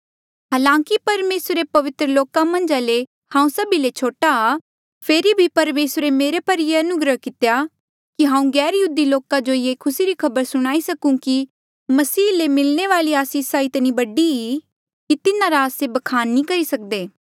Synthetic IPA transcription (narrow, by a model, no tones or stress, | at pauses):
ɦaːlãːŋkipɐɾmeːsɾepɐʋɪt̪ɾəloːkamɐ̃nd͡ʒale | hãːũsɐbilet͡ʃʰoːʈaː | pʰeːɾibʱipɐɾmeːsɾemeːɾepɐɾijeɐnʊɡɾəɦkɪt̪eja | kiɦãːũɡɛːɾjəɦuːd̪iloːkãd͡ʒojeːkʰʊsiɾikʰɐbəɾsʊɽ̃aːisɐkũki | mɐsiːlemɪlneʋaːliaːsiːsaɪt̪nibɐɖii | kit̪ɪnãɾaːsebɐkʰaːnːĩkɐɾisɐk̚d̪eː